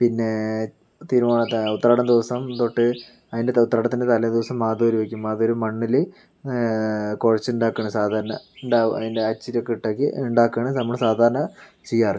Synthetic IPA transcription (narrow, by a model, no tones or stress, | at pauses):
pinːe̞ | t̪iːɾumaːɳɐt̪ut̪ːɐɾaːɽɐmd̪iʋɐsɐmt̪oʈːɨ | ɐðindeut̪ːɐɾaːɽɐmt̪inːdet̪ɐlɐd̪iʋɐsɐmːaːd̪oːɾuʋekʲːumaːðoɾumɐɳːile | koɻɐt͡ɕːuɳɖaːkːɐɳɨsaːd̪ʱaːɾɐɳɐ̰ɳɖaːɐ̰ðindeɐt͡ɕːiɾɐkːiʈːekʲːɨuɳɖaːkːɐɳɨnɐmːɐɭsaːd̪ʱaːɾɐɳɐ | t͡ɕejːaːrɨ